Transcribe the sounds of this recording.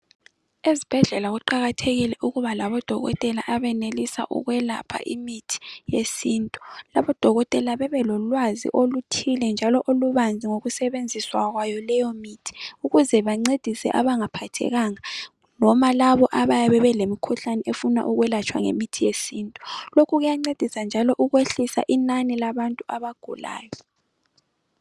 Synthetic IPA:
ezib̥ʱɛɮɛlaɣuǃaɣatʰeɣilɛʔuɣuβalaβɔd̥ʱɔɣɔ̰tʼɛlaʔaβɛnelisa̰ʔṵɣwɛla̰pʰa̰ʔimitʰi̥jesiːntʼulaβɔd̥ʱɔɣɔtʼɛlaβɛβɛlɔlwazḭʔolutʰilɛnd͡ʒʱalɔʔoluβand͡zʱiŋoɣusɛβend͡zʱiswaɣwajɔlɛjɔmiːtʰi̥uɣuzɛβaŋ͡ǀed̥ʱisɛ̰ʔaβaŋapʰatʰɛ̰ɣaŋa | nɔmalaβɔʔaβajaβɛβɛlemikʰuɬanɛʔefuna̰ʔuɣwɛlat͡ʃʰʼwa̰ŋḛmitʰijesiːntʼu̥lokʰuɣujaŋ͡ǀed̥ʱisand͡ʒʱalɔʔuɣweɬisa̰ʔinanilaβantʼuaβaɡ̥ʱṵla̰ːjɔ

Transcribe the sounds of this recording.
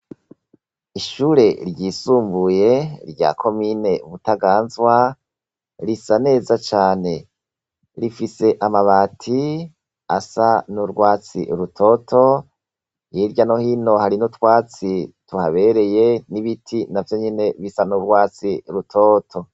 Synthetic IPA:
iʃuːɾe̞ɾɟiːsuːmbuje̞ɾɟa̰kʰo̞mine̞βutaɡaːnzwa | ɾisane̞ːzat͡ʃaːne̞ | ɾifise̞ʔamaβatʰi | a̰sanuɾɡwaːt͡sḭɾutʰo̞tʰo̞ | jiɾɟano̞hino̞haɾinutwaːt͡situhaβe̞ɾe̞je̞niβitʰinavjo̞ɲene̞βisanuɾɡwaːt͡siɾutʰoːtʰo̞

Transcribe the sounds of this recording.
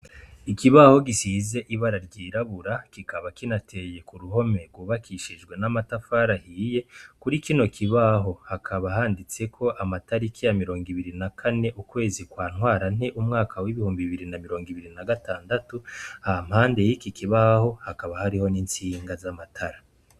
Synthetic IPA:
ikiβaho̞ɡisize̞ʔiβaɾaɾɟiːɾaβuɾakikʰaβakinatʰe̞je̞kuɾuho̞me̞ɾɡuːβakʰiʃid͡ʒɡwe̞namatafaɾahiːje̞kuɾikino̞kʰiβaɦo̞hakʰaβaɦaːndit͡se̞kʰo̞ʔamataɾikʰijamiɾo̞ːŋɡiβiɾinakʰane̞ʔukwe̞ːzikwaːn̥hwaːɾan̥e̞ʔumŋaːkʰawiβihuːmbiβiɾinamiɾo̞ːŋɡiβiɾinaɡataːndatuhaham̥haːnde̞jikikiβaho̞hakaβahaɾiho̞niːnt͡siːŋɡazamatʰaɾa

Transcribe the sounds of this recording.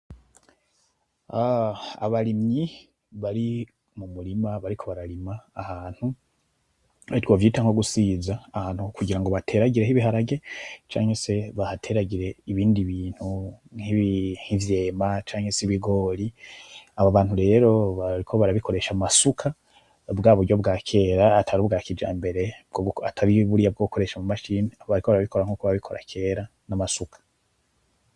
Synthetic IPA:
aa̰βaɾimɲi | βaɾi | mumuɾimaβaɾikʰo̞βaɾaɾimaːhaːn̥hu | aitwoːvjiːtaŋoɡusiːzaːhaːn̥hukuɟiɾaŋɡo̞βatʰe̞ːɾaɡiɾe̞ɦiβiɦaɾaɡe̞t͡ʃa̰ːŋhe̞se̞βahatʰe̞ɾaɡiɾe̞iβiːndiβiːn̥huŋiβhivje̞ːmat͡ʃaːŋhe̞siβiɡo̞ːɾiaβaβaːn̥uɾe̞ːɾo̞βaɾikʰoβaɾaβikʰo̞ɾe̞ʃamasukʰa | bɡaːβoo̞bɡakʰe̞ːɾaːtʰaɾuːbɡaːkid͡ʒa̰ːmbe̞ɾe̞bɡoatʰaɾiβuɾijabɡokʰo̞ɾe̞ʃamumaʃiːniaβoβaɾiko̞βaɾaβiko̞ɾaŋuːkoβaβikʰo̞ɾa̰kʰe̞ːɾa | namasukʰḁ

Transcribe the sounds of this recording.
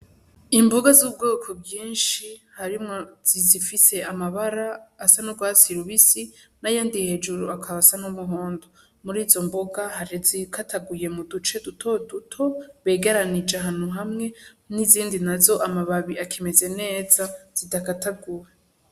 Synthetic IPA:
imboɡazub̚ɡoːkʰo̞bɡiːnʃihaɾimŋoz̥izifise̞amaβaɾaːsanoɡwaːsiɾuβisinajaːndihe̞d͡ʒuɾuakʰaβasanumuɦoːndo | muɾiːzo̞mboɡahaɾizikʰatʰaɡuje̞mudut͡ʃe̞dutʰo̞dutʰo̞βe̞ːɡeɾanid͡ʒaɦaːn̥huɦamŋe̞niziːndinazo̞ʔamaβaβiakʰeme̞ze̞ne̞ːzaz̥idakataɡuɾe

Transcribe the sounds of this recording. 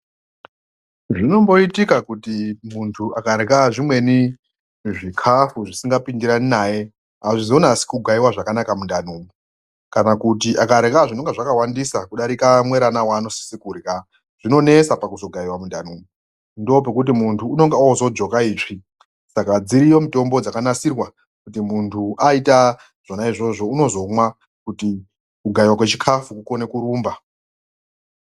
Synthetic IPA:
ʐino̞mbo̞itikakutimuntʰuʔakaɾekaʐimwe̞ni | ʐikʰafuʐisiŋɡapindiɾaninaːje̞ | ɦaʐizonasi̥kuɡʱaiwaʐakanakamundanuːmu | kanakutiʔakaɾekaʐino̞ŋɡeʐakawandisakuɗaɾikamwe̞ɾanawaːno̞si̥sikurika | ʐ̥ino̞ne̞sapakuzo̞ɡʱaiwamundan̤uːmu | ndo̞p̬e̞k̬ut̬imuntʰuːnoŋɡeozo̞d͡ʒo̞kaiːʐi | sakad͡ziɾijo̞mito̞mbo̞d͡zakanasirwa | kutimuntʰuaita | ʐ̥onaiʐo̞ʐo̞uno̞zo̞mwa | kuti | kuɡʱaiwakwet͡ʃikʰafukuko̞ne̞kuɾuːmba

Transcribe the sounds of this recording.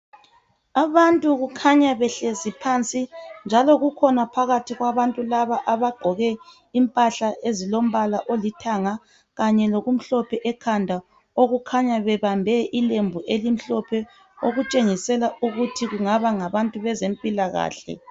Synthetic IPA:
aβantʼuɣukʰaɲaβɛɬezipʰant͡sʼind͡ʒʱalɔɣukʰɔnapʰaɣatʰiɣwaβantʼulaβaʔaβaɡ͡ǃʱɔɣɛ | impʼaɬaʔezilom̩βalaʔolitʰaŋa | ɣaɲɛloɣum̩ɬɔpʰɛʔɛkʰandʱa | oɣukʰaɲaβɛβambʱɛʔilembʱuʔelim̩ɬɔpʰɛ | oɣut͡ʃʼeŋisɛlauɣutʰiɣuŋaβaŋaβantʼuβɛzempʼilaɣa̰ːɬɛ̰

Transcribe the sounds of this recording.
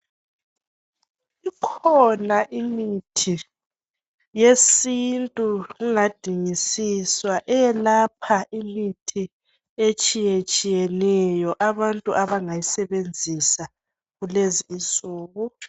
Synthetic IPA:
ikʰɔnaʔimitʰi | jesintʼuɣuŋad̥ʱiŋisiswaʔɛjɛlapʰaʔimitʰi | et͡ʃʼijet͡ʃʼijɛnɛjɔʔaβantʼuʔaβaŋajisɛβend͡zʱisa | ɣuleziːsuːɣu

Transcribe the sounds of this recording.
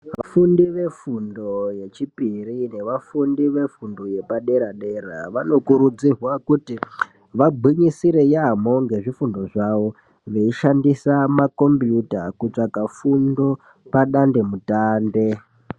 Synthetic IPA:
ʋafundiʋe̞fundo̞je̞t͡ʃipirine̞ʋafundiʋe̞fundo̞je̞paɗe̞ɾaɗe̞ɾa̰ʋano̞kuɾud͡zirwakuti | ʋabʱiɲisiɾejamo̞ŋɡe̞ʐifundo̞ʐaʋo | ʋe̞iʃandisamako̞mbjutakut͡ʂakafundo̞ | paɗande̞mutaːnde̞

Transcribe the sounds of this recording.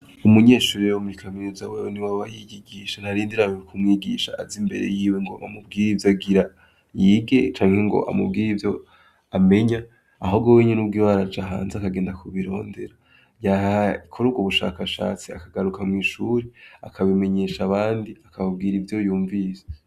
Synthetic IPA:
umuɲe̞ːʃuːɾiewomuɾikʰaminuzaweweniwawajijiɡiːʃan̥haɾiːndiɾamikʰumŋiːɡiːʃaːzimbe̞̰ɾe̞̰jiːweŋɡo̞̰ʔa̰mub̚ɡiːɾivjaɡiɾa | jiːɡe̞t͡ʃaːŋhe̞ŋɡo̞̰ʔa̰mubɡiːɾivjo̞ | ame̞ɲa | aɦobɡoweɲenub̚ɡiwaɾad͡ʒaɦa̰ːnzeakaɡeːndakuβiɾo̞ːnde̞ɾa | jahaikʰoɾubɡuβuʃa̰ːkaʃa̰ːt͡sia̰kaɡaɾukʰamŋiːʃuːɾeakʰaβime̞ɲe̞ːʃaβaːndiakaβabɡiːɾivjo̞juːɱviːze̥

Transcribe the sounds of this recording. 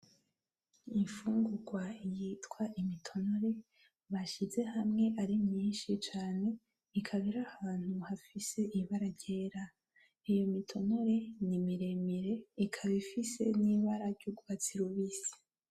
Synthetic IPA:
iɱfuːŋɡuɡwaijitkwaʔimitʰo̞no̞ɾe̞ | βaʃize̞hamŋe̞ʔaɾimɲiːnʃit͡ʃaːne̞ | ikʰaβiɾahaaːn̥huhafise̞ʔiβaɾaɾɟe̞ːɾa | ijomitʰo̞no̞ɾe̞nimiɾe̞miɾe̞ikʰaβifise̞̰niβaɾaɾɟoɡuβat͡siɾoβisi̥

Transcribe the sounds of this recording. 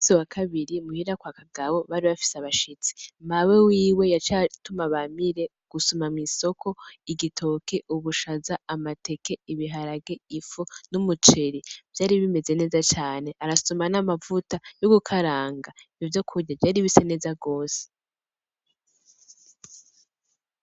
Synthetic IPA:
siwakʰaβiɾimuhiɾakwakaɡawo̞βaɾiβafi̥seaβaʃit͡si̥mawe̞wiːwe̞jat͡ʃatumaβamiɾe̞ | ɡ̥usumamŋiso̞kʰo̞iɡitʰo̞kʰe̞ʔuβuʃazaamate̞ke̞iβiɦaɾaɡe̞ifunumut͡ʃe̞ɾiv̥jaːɾiβime̞ze̞ne̞ːzat͡ʃaːne̞ʔaɾasumanamavutajoɡukʰaɾaːŋɡaijovjo̞kʰuɾɟavjaːɾiβise̞ne̞ːzaɡo̞ːse̥

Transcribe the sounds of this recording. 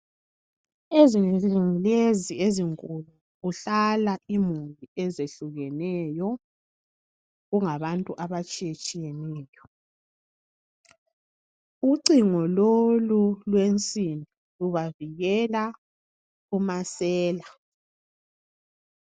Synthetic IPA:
eziiŋilezieziŋkʼulu | uɬalaʔimuliʔɛzeɬuɣɛnɛjɔ | ɣuŋaβantʼuʔaβat͡ʃʼijet͡ʃʼijɛnɛːjɔ | uǀiŋɔlolulwent͡sʼinʱi | luβaviɣɛla | umasɛːla

